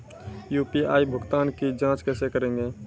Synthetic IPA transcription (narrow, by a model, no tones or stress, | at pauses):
juːpia̰ːibʱʊɡt̪aːnkid͡ʒãːt͡ʃkɛːsekəɾẽːŋɡeː